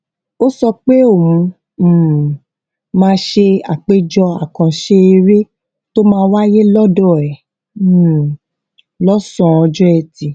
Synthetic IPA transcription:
o˦sɔ˧k͡pe˦o˦˨mũ˧˨ | mãː˧˦ʃe˧a˨k͡pe˦d͡ʒɔ˧a̰˨kã˧ʃe˦i˧ɾe˦ | to˦mãː˧wa˦je˦lɔ˦dɔ˦˨ɛ˨˦˨ | lɔ˦sɔ̃˧ɔ˧d͡ʒɔ˦ɛ˧˨ti˨

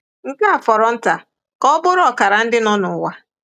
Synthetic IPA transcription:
ŋ̩˦ka˦a˨fɔ˨ɾɔ˨n̩˦ta˨ | kɔ˦bʊ˦ɾɔ˨ka˨ɾa˨n̩˦dɪ˦nɔ˦nʊ˨wa˦

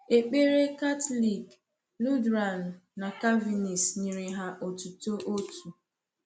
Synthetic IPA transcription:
e˨k͡pe˦ɾe˦ka˦tli˨ɡ | lu˦dɾa˨n̩˨na˨ka˦vi˨ni˨sɲi˨ɾɪ˨ɦa˦ʔo˨tu˨to˦ʔo˦tu˨

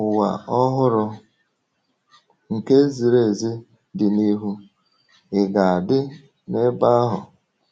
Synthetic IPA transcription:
ʊ˨wa̰˨ɔ˦ɦʊ˦ɾʊ˦ | ŋ̩˨ke˦zi˨ɾe˨zi˦ | dɪ˨ni˦ɦu˦ | ɪ˨ɡa˨a˨dɪ˦ | ne˦ba˦a˦ɦʊ˨

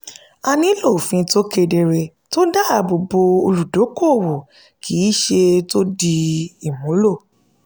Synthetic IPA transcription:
a˧nĩ˨˦lo˦˨fĩ˧to˦ke˧de˧ɾe˧ | to˦da˦˨bo˧bo˧o˧lu˨do˨˦ko˦˨wo˨ | kʰiː˨˦ʃe˧to˦di˧i˨mũ˨˦lo˦˨

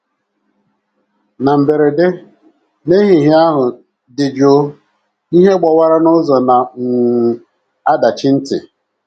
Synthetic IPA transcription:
na˨m̩˨be˨ɾe˨de˦ | ne˦ɦi˨ɦi˦a˦ɦʊ˨ | dɪ˨d͡ʒo˦ | i˦ɦe˦ɡ͡bɔ˨wa˦ɾa˦nʊ˦zɔ˨na˨m̩˨ | a˦da˨t͡ʃɪ˦n̩˦tɪ̰˨

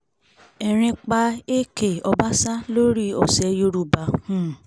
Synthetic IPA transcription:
ɛ˨ɾ̃ĩ˧k͡pa˧e˦ke˨ɔ˧ba˦sa˦lo˦ɾi˦ɔ˨sɛ˨˧jo˧ɾu˨˧˨ba˨˦hũ˦˨

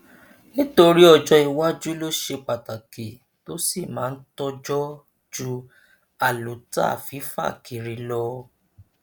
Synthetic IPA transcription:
nĩ˦to˧ɾi˦ɔ˧d͡ʒɔ˧i˨wa˦d͡ʒu˦lo˦ʃe˧k͡pa˨ta˨ke˨ | to˦si˦˨mãː˨˦n̩˦tɔ˦d͡ʒɔ˦ | d͡ʒu˦ | a˦˨lu˨ta̰˦˨fi˨˦fa̰˦˨kʰi˨ɾi˧˦lɔ˧

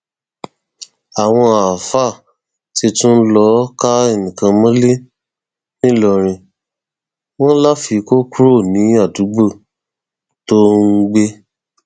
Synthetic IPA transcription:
a˨w̃ɔ̃˧a˨fa˦˨ | ti˧tũ˦n̩˦lɔ˦ka˦e˦˨nĩ˨kã˧mɔ̃˦le˦ | nĩ˦lɔ˧ɾ̃ĩ˧ | w̃ɔ̃˦n̩˦la˦fi˧ko˦ku˦ɾo˦˨nĩ˨˦a˦˨du˨˦ɡ͡bo˦˨ | to˦ŋ̩˦ɡ͡be˦

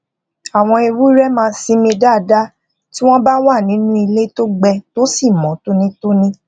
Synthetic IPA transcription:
a˨w̃ɔ̃˧i˧wu˦ɾɛ˦mãː˧sĩ˧˦mĩ˧da˦˨da˦ | ti˦w̃ɔ̃˦ba˦wa˦˨nĩ˨˦nũ˦i˧le˦to˦ɡ͡bɛ˧to˦si˦˨mɔ̃˨˦to˦nĩ˦to˦nĩ˦

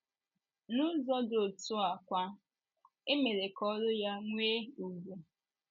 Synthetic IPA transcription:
nʊ˦zɔ˦do˨tʊ˦a˨kʷa˦ | e˦me˨ɾe˨kɔ˦ɾʊ˦ja˦ŋʷeː˦u˨ɡʷu˨

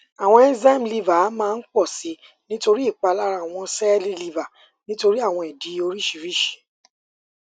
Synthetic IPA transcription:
a˨w̃ɔ̃˧ɛ˦za˦˨m̩˨li˧va˨˦mãː˦˧n̩˦k͡pɔ˦˨si˨˦ | nĩ˦to˧ɾi˦i˦˨k͡pa˧la˦ɾa˦˨w̃ɔ̃˧sɛ˦li˦li˧va˨ | nĩ˦to˧ɾi˦a˦˨w̃ɔ̃˧ɛ˨di˨˦o˧ɾi˦ʃi˧˨ɾi˦˨ʃe̥˨

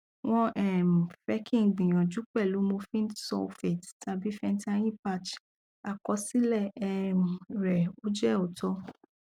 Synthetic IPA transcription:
w̃ɔ̃˧ʔɛ˦˨m̩˨fɛ˦kʰĩ˦˨ɡ͡bĩ˨j̃ɔ̃˨d͡ʒu˨˦k͡pɛ˦˨lu˨˦mõ˧fĩ˦n˦tsɔ̰˧fɛ˨tta˧bi˨˦fɛ˧n̩˦ta˧j̃ĩ˦˨pa˧t͡ʃ | a˧kɔ˧si˦lɛ˦˨ɛ˧m˨ɾɛ˨o˦d͡ʒɛ˦˨o˨tɔ˧

